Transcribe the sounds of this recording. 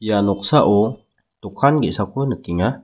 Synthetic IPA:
janɔk̚saʔɔ | t̪ukʰanɡesakʰɔnəkiŋa

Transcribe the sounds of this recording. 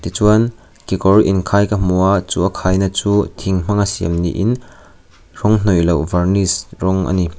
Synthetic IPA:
t̪it͡suɐn | kikɔɾiʔinkʰajkɐm̥uat͡suʔɐkʰajnɐt͡sut̪ʰiŋm̥ɐŋasiɐmnḭʔin | ɾɔŋn̥ɔjlɐwvɐrnisrɔŋʔɐ̰ni

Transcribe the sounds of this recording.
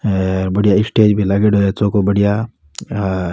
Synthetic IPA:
ɾbɐɽijaɪsʈeːd͡ʒbʱilɐɡeʈoet͡ʃoːkobɐɽija

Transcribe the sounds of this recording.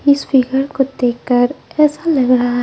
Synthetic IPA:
ɪspʰɪɡəɾkod̪eːkːəɾɛːsalɐɡɾaaɦ

